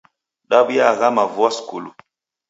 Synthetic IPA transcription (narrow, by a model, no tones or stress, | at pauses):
ɗaɓijaɣamavwaskulṵ